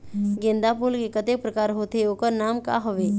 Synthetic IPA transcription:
ɡẽːnd̪apulkekət̪ek̚pɾəkaːɾɦoːt̪eoːkəɾnaːmka̰ɦʊʋeː

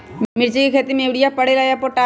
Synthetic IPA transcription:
mɪɾt͡ʃikekʰeːt̪imeʋɽijapəɽelaːjapoʈa

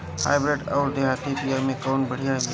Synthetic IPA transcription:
ha̰ːɪbɾeɖɔːɾd̪eɦaːt̪ipijamẽkɔːnbəɽ̤ijaɦɛ

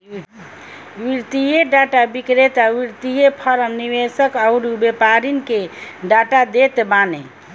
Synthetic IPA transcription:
ʋiɾt̪ijeɖaʈabikɾet̪aʋiɾt̪ijepʰəɾəmniʋesəkaʊɾubepaɾinkeɖaʈad̪et̪bane

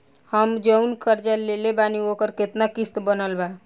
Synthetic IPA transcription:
həmd͡ʒəunkəɾd͡ʒalːelebaniokəɾket̪nakist̪bənəlba

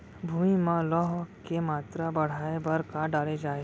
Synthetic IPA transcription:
bʱumimãlɔɦkemaːt̪ɾabəɽ̤aebəɾkaɖaːled͡ʒaːe

